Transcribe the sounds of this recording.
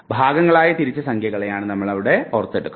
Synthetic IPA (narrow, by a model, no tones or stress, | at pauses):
bʱaːɡɐŋːɐɭaːjɐt̪iɾit͡ɕːɐsɐŋkʰjɐɣɐɭejaːɳɨnɐmːɐɭɐʋiɽe̞orɐt̪ːeɽukːu